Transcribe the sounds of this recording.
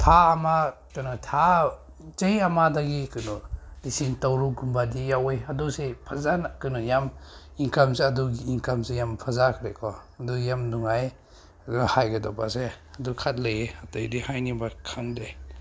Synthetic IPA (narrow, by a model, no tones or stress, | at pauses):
tʰaːmakɯnɔtʰa | zejamadaɡikɯnulisiŋtawɾuɡumbadijawejadusepʰazankɯnɔjam | iŋkamsiaduɡiiŋkamsijampʰazakʰɾekʰɔaduɡjamduŋaj | aduhajɡadɔpaseadukʰat̚lejeatajdihajnibakʰaŋdej